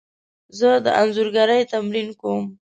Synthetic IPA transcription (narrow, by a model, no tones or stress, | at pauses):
zəd̪əʔanzuɾɡaɾəjt̪amɾinkom